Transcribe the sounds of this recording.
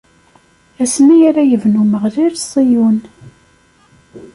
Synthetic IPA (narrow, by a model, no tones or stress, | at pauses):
æsmæjaɾajəvnuməʁliɾsˤijun